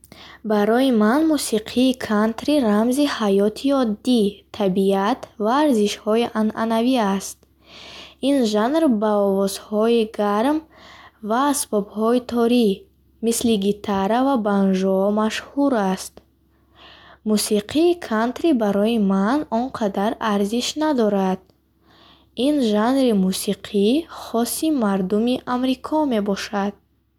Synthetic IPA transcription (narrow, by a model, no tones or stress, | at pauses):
baɾɔjimanmusiqʰiːkʰant̪ɾiɾamzihajɔt̪ʰiɔd̪ːit̪ʰabiat̪vaːɾziʃhɔiʔanʔa̰naviast̪ | inʒanɾbaɔvɔzhɔiɡaɾmvaːsbɔbhɔit̪ʰɔɾi | misliɡit̪ʰaɾavabanʒɔɔmaʃhuɾast̪ | musiqʰiːkʰant̪ɾibaɾɔimanɔnqʰad̪aɾaɾziʃnad̪ɔɾad̪̚ | inʒanɾimusiqʰiχɔsimaɾd̪umiʔamɾikʰɔme̞bɔʃad̪̥̚